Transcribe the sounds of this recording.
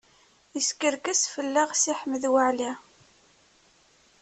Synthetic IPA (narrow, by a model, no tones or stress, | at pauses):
əskəɾkæsfəlːaʁsiħəməðwəʕli